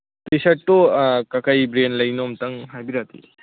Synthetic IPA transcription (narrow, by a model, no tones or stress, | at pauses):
pisɐːokakajbɾenlɐjnɔmtɐŋɦajbiɾat̪ḭ